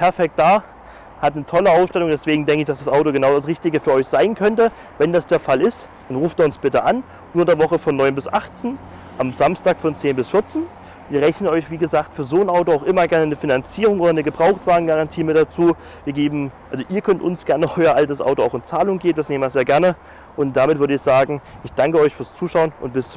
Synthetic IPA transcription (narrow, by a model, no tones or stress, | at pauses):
pʰɛɐfɛk̚t̚d̥aː | hatnətʰɔləaʊsʃtɛlʊŋdɛsv̥eːɡŋ̩dɛŋkəɪçd̥asd̥asʔaʊtoɡənaʊdasʁɪçtɪɡəfyːɐʔɔʏçz̥aɪnkʰœntə | vɛndasd̥eːɐfalɪst | d̥anʁuːfteːɐʊnsb̥ɪtəʔan | nuːɐdeːɐvɔχəfɔnːɔʏnbɪsʔaχt͡sn | ʔamzamstaːkfɔnt͡seːnbɪsfɪɐt͡sn | viːɐʁɛçnənɔʏçv̥iːɡəzaːktfyːɐzoːənʔaʊtoaʊxʔɪmɐɡɛɐnənəfinant͡siːʁ̞ʊŋʔoːdɐnəɡəbʁaʊxtv̥aːənɡaʁantʰiːmɪt̚d̥at͡suː | viːɐɡeːbm̩ʔalzoʔiːɐkʰœntʔʊ̰nsɡ̥ɛɐnəʔɔʏɐʔaltəsʔa̰ʊtoaʊxɪnt͡saːlʊŋɡeːbnd̥asneːməɛzeːɐɡɛɐnə | ʔʊnt̚d̥amɪtv̥ʏɐɾəɪçz̥aːɡŋ̩ʔɪçd̥aŋkəɔʏçfyːɐst͡suːʃaʊənʔʊnt̚b̥ɪst͡s